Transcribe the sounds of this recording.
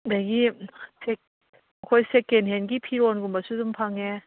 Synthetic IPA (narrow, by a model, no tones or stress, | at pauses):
dajɡisek̚ | ɐkʰɔjsekːenɦenɡipʰiɾɔnɡumbɐsudumpʰaŋe